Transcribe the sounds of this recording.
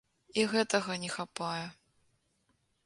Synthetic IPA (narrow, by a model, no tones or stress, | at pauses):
iɣɛt̪ɐɣɐnʲɛxapajɛ